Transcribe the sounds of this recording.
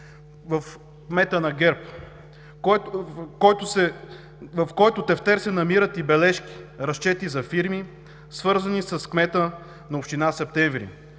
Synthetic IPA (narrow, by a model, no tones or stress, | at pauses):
vɐf | kmɛt̪ənɐɡɛɾp | k | kɔjt̪ʊsɛ | vɐfkɔjt̪ʊt̪ɛft̪ɛɾsɛnɐmiɾət̪ibɛlɛʃki̥ɾɐʃt͡ʃɛt̪izɐfiɾmi | svɤɾzɐnisɐskmɛt̪ə | nɐopʃt̪inasɛp̚t̪ɛɱvɾḭ